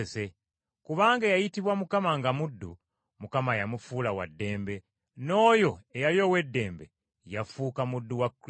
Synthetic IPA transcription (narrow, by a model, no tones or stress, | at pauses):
se̞ | kuβaːŋɡajajitiβwamukamaŋɡamudːṵ | mukamajamufuːlawa̰dːe̞ːmbe | no̞ːjo̞ejaljo̞we̞dːe̞ːmbe̞ | jafuːkamudːuwakː